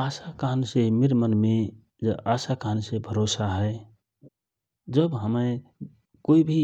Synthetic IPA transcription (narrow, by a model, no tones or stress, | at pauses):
asakansemiɾmənme | d͡ʒeʔasakansebʱəɾosaɦə | d͡ʒəbɦəmə | koibʱi